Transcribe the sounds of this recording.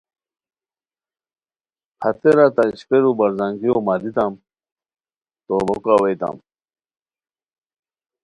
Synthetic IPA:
pʰɐt̪eɾat̪aiɕpeɾubɐɾzaŋɡijomalit̪am | t̪obokawejt̪a̰m

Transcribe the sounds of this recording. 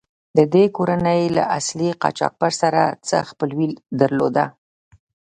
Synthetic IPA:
d̪əd̪ekoɾanəjla̰ʔasliqɑ̰t͡ʃɑ̰k̚baɾsaɾat͡sə̰xpəlwild̪əɾlod̪a

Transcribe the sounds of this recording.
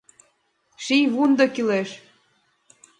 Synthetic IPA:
ʃijβund̪ɤ̆kileʃ

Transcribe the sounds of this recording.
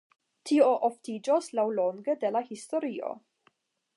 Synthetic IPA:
tʰio̞ʔoftid͡ʒoslawlo̞ŋɡedelahisto̞ɾio̞̰

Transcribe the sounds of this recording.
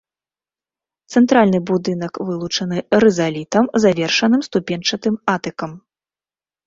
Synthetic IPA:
t̪sɛnt̪ɾalʲnɨbud̪ɨnɐkvɨlˠut͡ʂɐnɨɾɨzalʲit̪ɐmzavʲɛrʂɐnɨmst̪upʲɛnt͡ʂɐt̪ɨmat̪ɨkɐm

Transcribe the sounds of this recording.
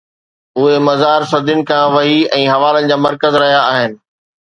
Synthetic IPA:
ʊɦemɐzaːɾsɐd̪ʱʊnɪ̆kʰãːʋɐɦiɛ̃ːɦɐʋaːlənɪ̆d͡ʑaːmɐɾkəzɾɐɦijaːɦɪnɪ̆

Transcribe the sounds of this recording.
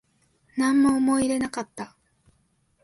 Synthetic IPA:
nãmːoːmo̞iɾe̞nakat̪ːa

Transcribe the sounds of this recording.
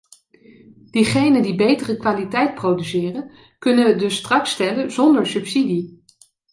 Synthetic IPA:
d̥iχejnəndibejtərəkʋaːlitɛjt̚prowdysɪːrən | kɵnəʋədɵstrɑkstɛlənzɔndəɹsɵpsidi

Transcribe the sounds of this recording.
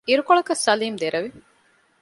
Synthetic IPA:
iɾukoɭɐkɐsɐliːmd̪eɾʔɐʋi

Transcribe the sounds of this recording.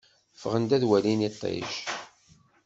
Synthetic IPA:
fəʁənd̪æðwælinæt̪ˤːɑ̰j̰ʃ

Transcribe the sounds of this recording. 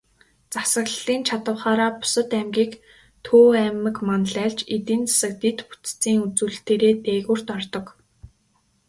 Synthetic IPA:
t͡sasə̆ɣɮiːnt͡ɕʰat̪ə̆wχaːɾaːpʊ̥sə̆t̪æmɡʲiːk | t̪ʰoːæmɘ̆kmanɮæːɮt͡ɕet̪iːnt͡sḁsə̆k̚t̪et̪pu̥t͡s̪t͡siːŋut͡suːɮt̪eːɾeːt̪eːɣuːr̥t̪ɔrt̪ɞ̆k

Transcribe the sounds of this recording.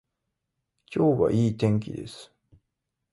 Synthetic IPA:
kʲo̞ːβa̰ʔiːt̪ẽ̞ŋk̬ʲḭd̪e̞̰sɨ̥

